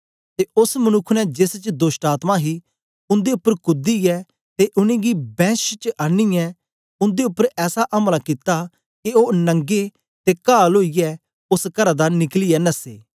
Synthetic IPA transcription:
t̪eʊsmənʊkʰːnɛd͡ʒest͡ʃd̪oːsʈaːt̪maɦi | ʊ̃nd̪eʊpːəɾkʊd̪ijɛ | t̪eʔʊñẽɡibɛ̃ːst͡ʃʔɐnːijɛ | ʊ̃nd̪eʊpːəɾɛːsaʔɐmlakit̪a | keoːnɐ̃ŋɡe | t̪ekaːloːijɛ | ʊskɐɾad̪anɪklɪjɛnɐsḛː

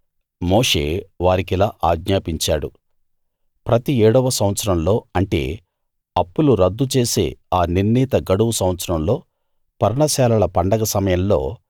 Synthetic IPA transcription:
mo̞ːʂe̞̰ːʋaːɾikilaːʔaːɡɲaːpiɲt͡ʃaːɽu | pɾɐt̪iɛːɽɐʋɐsɐmʋɐt̪sɐɾɐmlo̞ːɐɳʈe̞̰ː | ɐpːuluɾɐd̪ːut͡ʃe̞ːse̞̰ːaːniɾniːt̪ɐɡɐɽuwusɐ̃mɐt̪sɐɾɐmlo̞ː | pɐɾɳɐsɛːlɐlɐpɐɳɖɐɡɐsɐmɐjɐmlo̞ː

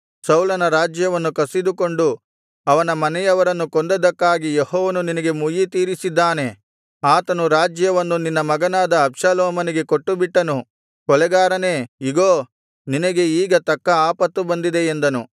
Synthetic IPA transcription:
sɐwlɐnɐɾaːd͡ʒjɐʋɐnːukɐsid̪uko̞ɳɖu | ɐʋɐnɐmɐnɛjɐʋɐɾɐnːukond̪ɐd̪ɐkːaːɡijehɔːʋɐnuninɐɡe̞mujit̪iːɾisid̪ːaːne̞ | aːt̪ɐnuɾaːd͡ʒjɐʋɐnːuninːɐmɐɡɐnaːd̪ɐːbʂaːlɔːmɐniɡe̞koʈːubiʈːɐnu | kɔlɛɡaːɾɐne̞ːiɡoː | ninɐɡe̞iːɡɐt̪ɐkːɐaːpɐt̪ːubɐnd̪id̪e̞end̪ɐnu

